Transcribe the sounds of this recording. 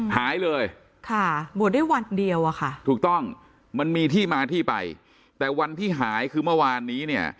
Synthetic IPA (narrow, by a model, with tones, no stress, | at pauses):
haː˩˦jlɤː˧j | kʰa˥˩buː˨˩t̪̚daː˥˩jwa˧ndi˧əwʔa˨˩kʰa˥˩t̪ʰuː˨˩k̚t̪ɔ˥˩ŋ | ma˧nmiː˧t̪ʰiː˥˩maː˧t̪ʰiː˥˩pa̰˧j | t̪ɛː˨˩wa˧nt̪ʰiː˥˩ɦaː˩˦jkʰɯː˧mɯ˥˩waː˧nːiː˦˥ni˥˩ɐ